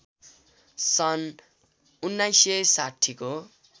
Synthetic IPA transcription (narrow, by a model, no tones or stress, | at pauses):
sʌn | unːajsjesaʈʰiko